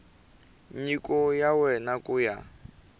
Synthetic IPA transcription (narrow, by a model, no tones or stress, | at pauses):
ɲikʼɔjawɛnakuja̰